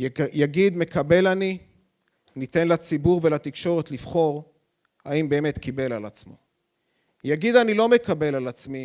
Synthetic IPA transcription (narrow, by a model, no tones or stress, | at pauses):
jaɡid̪me̞kabe̞lani | nit̪e̞nlat͡sibuʁvelat̪ikʃo̞ʁet̪lifχo̞ʁ | aimbe̞ːme̞t̪kʰibe̞lalat͡smo̰ | jaɡid̪anilo̞me̞kabe̞lalat͡smi